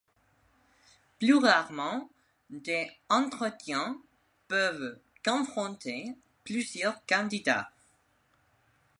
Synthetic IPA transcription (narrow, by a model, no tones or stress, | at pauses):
plyʁaʁmɑ̃ | d̪eɑ̃t̪χət̪jɛ̃ | pœv | kɔ̃fχɔ̃t̪e | plyzjœʁkɑ̃d̪id̪a̰